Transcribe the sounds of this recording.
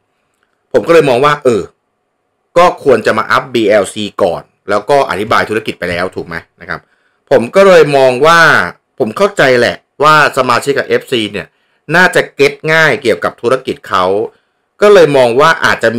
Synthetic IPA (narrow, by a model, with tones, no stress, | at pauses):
pʰo˩˦mkːɤː˧jmɔː˧ŋwaː˥˩ʔɤː˨˩ | kɔː˥˩kʰu˧ənt͡ɕa˨˩ma̰ː˧ʔa˦˥p̚biː˧ʔɛː˧wsiː˧kɔ̰ː˨˩n | lɛː˦˥wkɔː˥˩ʔa̰˨˩t̪ʰi˦˥baː˧jt̪ʰu˦˥a˧˩ki˨˩t̪̚pa˧jlɛː˦˥wt̪ʰuː˨˩k̚ma˦˥jna˦˥kʰa̰˦˥p̚ʰː | o˩˦mkɔː˥˩lɤː˧jmɔː˧ŋwaː˥˩ | pʰo˩˦mkʰa˥˩wt͡ɕa˧jlɛ̰˨˩ʔ | waː˥˩sa˧maː˧t͡ɕʰi˦˥kʰːa˨˩ʔe˦˥p̚siː˧ni˥˩ɐ | naː˥˩t͡ɕa˨˩ke˦˥t̪̚ŋaː˥˩jki˨˩əwka˨˩p̚t̪ʰu˦˥ɾa˧ki˨˩t̪̚kʰa˦˥w | kɔː˥˩lɤː˧jmɔː˧ŋwaː˥˩ʔa̰ː˨˩t̪̚t͡ɕa˨˩